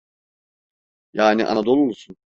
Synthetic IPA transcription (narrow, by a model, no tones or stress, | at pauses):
jaːniʔa̰nad̪o̞lˠuolˠsun